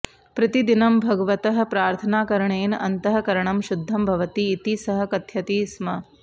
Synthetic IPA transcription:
pɾɐt̪id̪inɐmbʱɐɡɐʋɐt̪ɐɦɐ̆pɾaːɾt̪ʰɐnaːkɐɾɐɳeːnɐ̰nt̪ɐɦɐ̆kɐɾɐɳɐmʃud̪ʱːɐmbʱɐʋɐt̪iːt̪isɐɦɐ̆kɐt̪ʰjɐt̪iːsmɐ

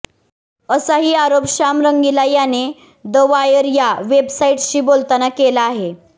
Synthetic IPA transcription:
əsaɦiːaɾopɕamɾəŋɡilajane | d̪əʋajəɾjaʋebsaiʈɕiːbolt̪anakelaːɦe

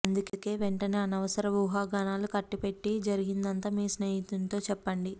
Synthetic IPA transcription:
ɐnd̪ukke̞ːʋeɳʈɐneːɐnɐʋɐsɐɾɐʋuːɦaːɡɐnaːlukɐʈːipe̞ʈːid͡ʒɐɾiɡind̪ɐnt̪aːmiːsneːjit̪unt̪o̞ːt͡ʃɛpːɐɳɖi

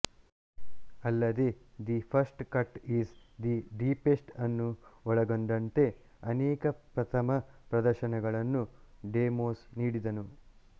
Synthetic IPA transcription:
ɐlːɐd̪e̞d̪ipʰɐɾsʈkɐʈiːsd̪iɖiːpesʈɐnːuɔɭɐɡoɳd̪ɐnt̪e̞ | ɐneːkɐpɾɐt̪ʰɐmɐpɾɐd̪ɐɾʃɐnɛɡɐɭɐnːuɖeːmoːsniːɽid̪ɐnu

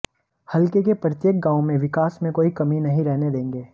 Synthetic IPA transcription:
hɐlkekepɾɐt̪jeːk̚ɡãːʊ̃mẽʋɪkaːsmẽkoːikɐminɐɦĩɾɛɦned̪ẽːŋɡeː

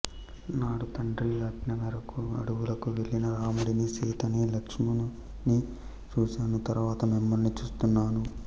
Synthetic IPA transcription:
naːɽut̪ɐɳɖɾiɐʈnɐɡɐɾɐkuɐ̰ɽuɡulɐkuʋe̞ɭinɐɾaːmuɽinisiːt̪ɐnilɐkʂmun | ni | t͡ʃuːsaːnut̪ɐɾuʋaːt̪ɐmimːɐlnit͡ʃuːst̪unːaːnu

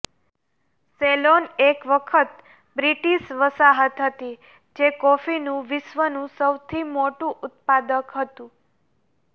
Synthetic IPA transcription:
selonekʋəkʰət̪ | bɾiʈiʃʋəsaɦət̪ɦət̪i | d͡ʒekofinũʋɪʃʋənũsəwt̪ʰimoʈũʔʊt̪̚pad̪əkɦət̪ũ

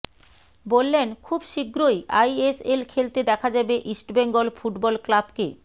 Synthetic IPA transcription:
bolːenkʰubʃiɡɾojajeselkʰelt̪ed̪ɛkʰad͡ʑabeʔisʈbeŋɡolfuʈbɔlklabke

